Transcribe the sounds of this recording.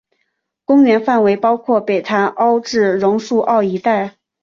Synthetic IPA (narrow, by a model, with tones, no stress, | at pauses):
kʊ˥ŋɥɛ˧˥nfa˥˩nwe˧˥ɪpɑ˥ʊkʰwɔ˥˩pe˨˩ɪt̪ʰa˧˥ʔɑ˥ʊʈ͡ʂɻ̩˥˩ɻʊ˧˥ŋʂu˥˧ʔɑ˥˩ʊi˧˥t̪a˥˩ɪ